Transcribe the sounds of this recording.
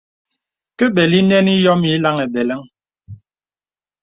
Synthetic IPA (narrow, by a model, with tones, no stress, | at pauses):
ke˦bɛ˨li˦nɛ˦ni˦jɔ˦mi˨˦la˦ŋe˨bɛ˨lɛ˦ŋ